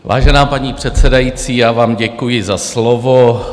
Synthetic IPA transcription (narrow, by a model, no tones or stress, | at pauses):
va̰ːʒɛnaːpaɲiːpr̝̥ɛt̪sɛdajit͡siːjaːvaːmɟɛkujɪzaslovo